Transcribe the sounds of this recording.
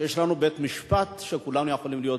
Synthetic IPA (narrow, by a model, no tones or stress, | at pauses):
jeʃlanubet̪miʃpat̪ʃekulanujexo̞limlijo̞